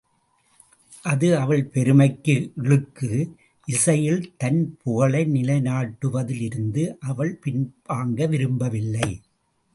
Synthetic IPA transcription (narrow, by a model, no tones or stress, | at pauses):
ʔɐðɯɐʋɐɭpɛɾɯmɐɪkːɯɪɻɯkːɯ | ʔɪsɐjɪlt̪ɐnpʰɔɣɐlɐɪnɪlɐɪnaːʈːɯʋɐðɪlɪɾɯnd̪ɯʔɐʋɐɭpɪnbaːŋɡɐʋɪɾɯmbɐʋɪlːɐɪ